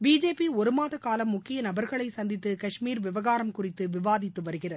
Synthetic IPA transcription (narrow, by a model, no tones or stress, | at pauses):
biːd͡ʒeːpiɔɾɯmaːðɐkaːlɐmːʊkːɪjɐnɐbɐɾɣɐɭɐɪsɐnd̪ɪt̪ːɯkɐʂmiːɾʋɪʋɐɣaːɾɐmkʊrɪt̪ːɯʋɪʋaːðɪt̪ːɯʋɐɾɯɣɪrɐð